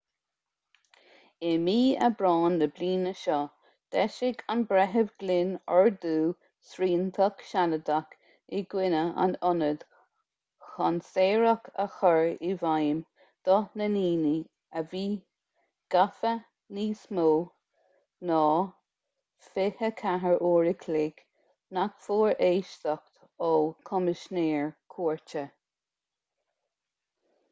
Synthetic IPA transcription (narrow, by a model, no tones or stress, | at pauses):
ɛmiːə̰bɾɑːnːəbliːnəʃɔ | d̪̥ɛʃɪɡanbɾɛɦəvɡ̥lɪnɔɹd̪uː | sɾiːnt̪ʰəkʃaləd̪ak | ɪɡ̥wɪnəa̰nʊnəd̪̥ | xanseːɹəkʰəxɔɹivajm | d̪̥ɔnəniːni | əviː | ɡ̥afə | niːsmuː | nɔː | fɪhəkʰaɦəɹʔoːɹɪkʰlɪɡ̥ | nakfuːɹʔeːʃtɔkt̪ | ɔkʰɔmɪʃneːɹkʰuːɹt͡ʃə